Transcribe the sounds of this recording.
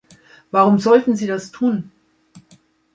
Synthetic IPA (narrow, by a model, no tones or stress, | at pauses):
vaʁʊmzɔltn̩ziːdastʰuːn